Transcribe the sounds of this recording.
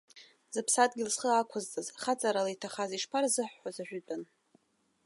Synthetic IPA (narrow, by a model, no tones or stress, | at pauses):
z̥ɨpʰsatʼɡʲɪlsχəakʷʰazt͡sʼazχat͡sʼaɾalajtʰaχaziʂpʰarzɨħːʷazaʒᶣʏtʼan